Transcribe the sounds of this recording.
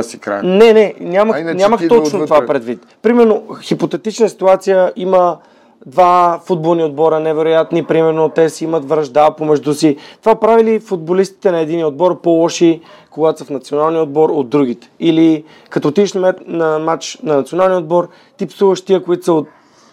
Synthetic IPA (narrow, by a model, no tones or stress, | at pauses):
sikɾa̰nɛnɛnʲaməxnʲaməxɔt͡ʃnott̪ovapɾɛd̪vit̪pɾimɛɾnoxipot̪ɛt̪it͡ʃnəsi̥t̪uat̪sijəʔimə | d̪vafud̪̚bolˠniod̪̚bɔɾənɛvɛɾojat̪nipɾimɛɾnot̪ɛsɛimət̪vɾɐʒd̪apomɛʒd̪usit̪ovapɾavilifud̪̚bolist̪i̥t̪ɛnɐɛd̪inijəod̪̚bɔɾpɔlˠɔʃi | koɡat̪osəfnɐt̪sionalˠnijəod̪̚bɔɾod̪ːɾuɡ̟it̪ɛ̥ili | kɐt̪ɔt̪id̪ɛʃnmɛnɐmat͡ʃnɐnɐt̪sionalˠnjəod̪bɔɾ | t̪ipsuvəʃt̪iəkoit̪osəot̪̚